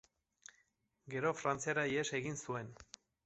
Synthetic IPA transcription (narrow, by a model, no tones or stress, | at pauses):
ɡe̞ɾo̞fɾant͡siaɾajese̞ɣinsue̞n